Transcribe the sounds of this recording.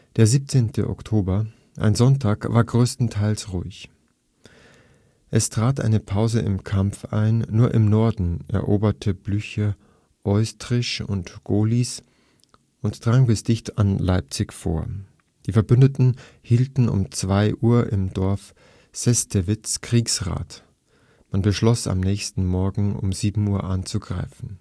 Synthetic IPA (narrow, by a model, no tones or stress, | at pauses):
d̥eːɐziːp̚t͡seːntʰə̰ʔɔ̰ktʰoːbɐ | ʔa̰ɪnzɔntʰaːkv̥aːɐɡʁøːstn̩tʰaɪlsʁuɪç | ʔɛstʁ̥aːtʔa̰ɪnəpʰaʊzəɪ̰mkʰamfa̰ɪnːuːɐʔɪmnɔɐdn̩ʔɛ̰ɐʔo̰ːbɐtʰəblyçə | ʔɔʏstʁɪʃʊ̰ntɡ̥oːlis | ʔʊntd̥ʁ̥aŋbɪsd̥ɪçtanlaɪp̚t͡sɪçfo̰ːɐ | d̥iːfɛɐbʏndətn̩ | hiːltn̩ʊ̰mt͡sv̥aɪʔuːɐʔɪmdɔɐf | sɛstʰevɪt͡skʁ̥iːksʁa̰ːt | manbəʃlɔsa̰mnɛːçstn̩mɔɐɡŋ̩ʊ̰mziːbm̩uːɐʔant͡suɡʁa̰ɪfn̩